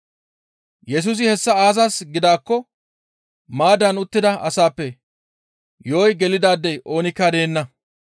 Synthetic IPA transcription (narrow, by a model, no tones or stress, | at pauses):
jɛs̬uːs̬ɪhɛsːɐaːzɐsɡɪd̪aːkːɔ | maːd̪ɐnʊt̪ːɪd̪ɐʔɐsaːpːɛ | joːjɡɛlɪd̪aːd̪ːɛjʔo̞ːnɪkːɐd̪e̞ːnːɐ